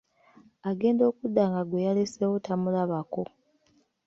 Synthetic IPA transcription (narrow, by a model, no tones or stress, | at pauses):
aɡe̞ːndo̞ːkudːaŋɡaɡwejalesewotamulaβako̞